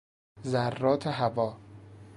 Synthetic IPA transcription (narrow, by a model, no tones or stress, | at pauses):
zærːɒːt̪ʰeɦævɒː